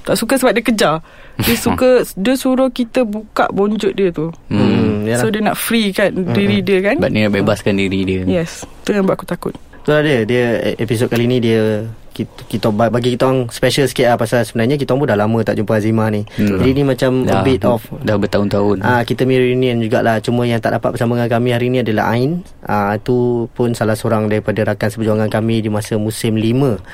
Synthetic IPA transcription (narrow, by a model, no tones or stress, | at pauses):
t̪aʔsukəsəbap̚diəkəd͡ʒa | diəsukədiəsuɾʊkit̪əbuka̰ʔboɲd͡ʒʊt̪̚diət̪u | diəsodiəna̰ʔfɾikandiɾidiəkanbaʔnibebaskandiɾidiəjɛst̪əŋanbaʔakut̪akʊ̰t̪̚ | t̪uladiədiəepis̬ot̚kalinĩdiəkikit̪babaɡikit̪aaŋspɛʃəlskeapasalsəbənarɲak̬it̪aaŋbundahlamə̃t̪aʔ̚d͡ʒumpəazimahnid͡ʒadinimãt͡ʃamdəbit̪̚ɔfdabət̪aʊnt̪aʊnʔakit̪əmĩɾunind͡ʒuɡa̰ʔlaht͡ʃumə̃jaŋt̪a̰ʔdapatʔ̚bəsaməŋakamĩɦaɾinĩadəla̰ɦa̰in | ʔamt̪upʊnsalahsoɾaŋdaɾipadəɾakansəpəd͡ʒuaŋankamĩdimasəmũsɪmlimə̃